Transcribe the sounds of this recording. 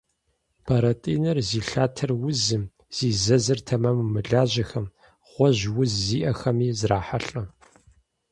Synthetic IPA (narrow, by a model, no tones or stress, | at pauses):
pʰɐɾɐtʼḭːnɨrziːɬaːtʰɐrwʊzɨm | z̥iːzɐzɨrtʰɐmɐmːɨɮaːʑɐxɐm | ʁ̥ʷɔʑwʊzːiːʔɐxɐmiːzraːħaɬʼɐ